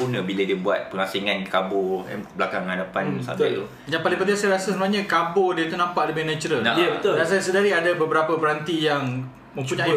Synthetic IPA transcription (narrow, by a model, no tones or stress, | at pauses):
unəbilədiəbua̰t̪̚pəŋhasiŋankabɔa̰bəlakaŋhadapansa̰bɪ̰t̪u | d͡ʒanpalĩŋpənt̪iasajɾasasəmũaɲəkabodiət̪unampaʔləbɪhnɛt͡ʃuɾəlnaaət̪dans̬ajasədaɾiadabəbəɾapəpəɾant̪ijaŋ | mə̃mpuɲa